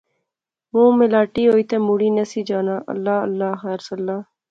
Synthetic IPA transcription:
mõːmelaːʈiːɦoːiːt̪eːmuːɽiːnesiːd͡ʒaːnaːʔɐ̰lːaːə̰lːaːxɛːɾsɐlːaː

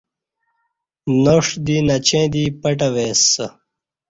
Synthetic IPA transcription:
noʂd̪inɐt͡ɕẽːd̪ipɐʈɐweːsɐ

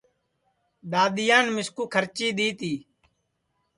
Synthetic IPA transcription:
ɗ̪aːɗ̪ɪjaːnmɪskuːkʰəɾt͡ʃiːɗ̪iːt̪iː

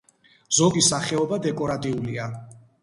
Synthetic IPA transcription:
z̥ɔɡisaχɛɔbad̪ɛkʼɔɾat̪ʼiulia

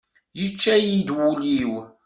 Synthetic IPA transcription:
jət͡ʃːæjid̪wuliw

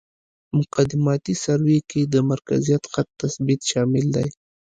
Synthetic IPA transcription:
mʊqad̪ɪmɑt̪isaɾweked̪əmaɾka̰zijat̪xat̪ːasbit̪ʃɑmɪld̪aj

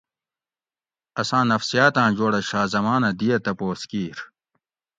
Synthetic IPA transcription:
ɐsãːnɐfsijaːt̪ãːd͡ʑoːɽɐɕaːzɐmaːnɐd̪ijɐt̪ɐpoːskiːɾ

